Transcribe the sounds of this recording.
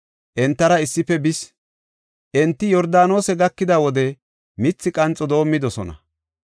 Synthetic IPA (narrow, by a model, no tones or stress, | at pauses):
ʔɛnt̪ːɐɾɐɪsːɪfɛbɪs | ʔɛnt̪ːɪjɔɾd̪aːno̞ːsɛɡɐkːɪd̪awɔd̪ɛ | mɪt͡sːɪkʼɐnt͡sʼːɔd̪o̞ːmːɪd̪ɔsɔ̰nɐ̰